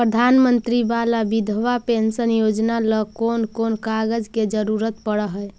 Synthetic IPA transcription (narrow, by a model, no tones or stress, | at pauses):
pɾəd̪ʱanmənt̪ɾibalabid̪ʱʋapensənjod͡ʒnaləkonkonkaɡəd͡ʒked͡ʒəɾuɾət̪̚pəɽəɦəj